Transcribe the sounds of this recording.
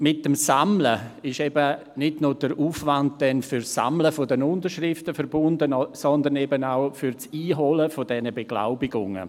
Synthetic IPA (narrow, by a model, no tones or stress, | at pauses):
mɪt̚ːəmsamləɪʃɛbə | nɪdnʊd̥əɾuːfvant̚d̥ɛnfʏɾsa̰mləfodənʊndəɾʃrɪftəfəɾbʊndənsɔnd̪ənɛbənaʊfʏɾt͡siːɦɔləfodɛnəbeɡ̥la̰ʊbɪɡʊŋə̰